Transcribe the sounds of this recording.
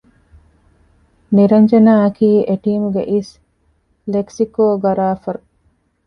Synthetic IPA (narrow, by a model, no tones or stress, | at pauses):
niɾɐɲd͡ʒenaːɐkiːʔeʈiːmuɡḛʔis | leksikoːɡɐɾaːfɐɾu